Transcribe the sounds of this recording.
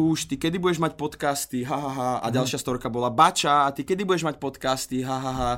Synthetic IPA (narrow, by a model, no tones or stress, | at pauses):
uːʃt̪ikɛd̪ibuɟɛʒmacpɔt̪kast̪iɦaɦaɦaa̰ɟalˠʃɪast̪ɔɾkabɔlabat͡ʃaːt̪ikɛd̪ibuɟɛʒmac̚pɔt̪kast̪iɦaɦaɦa